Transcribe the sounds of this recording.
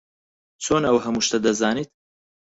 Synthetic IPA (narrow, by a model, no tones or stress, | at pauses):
t͡sʰoːnɐwɦɐmuːʃt̪ɐd̪ɐzaːniːt̪̚